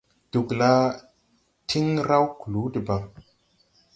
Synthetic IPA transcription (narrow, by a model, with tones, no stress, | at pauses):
d̥u˨kla˦ | tʰi˦ŋɾa˦wku˨lu˨˦də˨ba˨